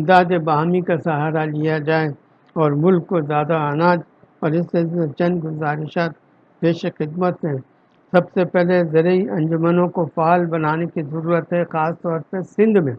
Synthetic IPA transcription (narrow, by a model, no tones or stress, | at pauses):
ɪd̪aːd̪ebaɦamikasɐɦaːɾalijad͡ʒaːe | ɔːɾmʊlkːozjaːd̪aɐnaːd͡ʒ | ɔːɾɪsesmẽt͡ʃɐ̃nɡʊzaːɾɪʃaːt̪̚ | b̥eːʃexɪd̪mət̪ɦɛ̃ | sɐbsepɛɦlezɐɾəiɐ̃nd͡ʒʊmənõkofaːlbɐnaːnekizɐɾuːɾət̪ɦɛxaːst̪ɔːɾpəɾsɪ̃nd̪mẽ